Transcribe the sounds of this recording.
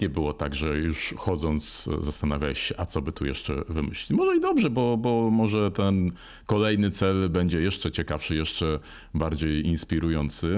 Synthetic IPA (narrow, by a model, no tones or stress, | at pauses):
ɲɛbɘwɔt̪aɡʐɛjuʂxɔd̪zɔnt̪szast̪anavʲjaɕɕɛʔat̪sɔbɘt̪ujɛ̰ʂt͡ʂɛ̰vɘmɘ̰ɕlʲimɔʐɛid̪ɔbʐɛbɔbɔmɔʐɛt̪ɛn | kɔlɛjnɘt̪sɛlbɛɲd͡ʑɛjɛʂt͡ʂɛt͡ɕɛkafʂɘjɛʂt͡ʂɛ | baɾd͡ʑejinspʲiɾujɔnt̪sɘ